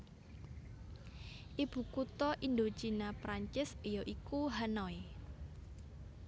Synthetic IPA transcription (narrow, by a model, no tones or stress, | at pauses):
ʔib̥ṳkut̪ɔʔind̪ot͡ʃinapɾaɲt͡ʃɪsijɔʔikuɦanɔi